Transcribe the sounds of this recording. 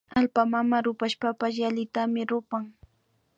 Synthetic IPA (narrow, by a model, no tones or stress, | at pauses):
alpamamaɾʊpaʃpapasjalɪt̪amɪɾʊpaŋ